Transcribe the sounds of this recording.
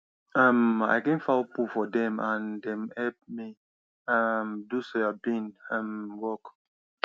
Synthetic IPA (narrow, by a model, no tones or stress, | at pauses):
ama̰jkɛ̃nfapufɔdɛ̃mãndɛ̃mhɛlp̚mi | amdusoabĩnamwɔk